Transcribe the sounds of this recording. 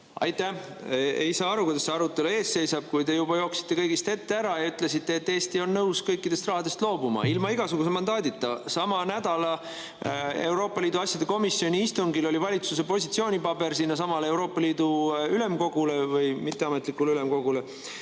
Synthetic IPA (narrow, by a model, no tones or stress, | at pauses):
ɑ̰jt̪ːˑæ | ḛjsɑːɑɾukujd̪ɑseɑɾut̪ːˑe̞lue̞ːsse̞jsɑb̥̚kujd̪e̞jubɑjo̞ːksi̥t̪ːe̞kɤjɡist̪e̞t̪ːe̞æɾɑjɑyt̪ˑle̞s̬it̪ːe̞ːt̪ːeːst̪io̞nːɤuskɤjkːid̪̥e̞st̪rɑɦɑd̪̥e̞st̪lo̞ːbumɑ̰ilmɑiɡ̥ɑsuɡ̥us̬emɑnd̪ɑːd̪it̪ːɑsɑmɑnæd̪̥ɑlɑ | e̞wɾo̞ːpːˑɑlʲiːd̪̥uɑsʲjɑd̪eko̞misːio̞nʲiist̪uŋɡilo̞lʲivɑlʲit̪suse̞po̞sʲit̪sio̞ːnʲipɑbe̞ɾsiːnːɑs̬ɑmɑlee̞wɾo̞ːpːˑɑliːd̪uyle̞mko̞ɡ̥ule̞vɤjmit̪ːe̞ɑmet̪ˑlikːˑuleylemko̞ɡ̥ule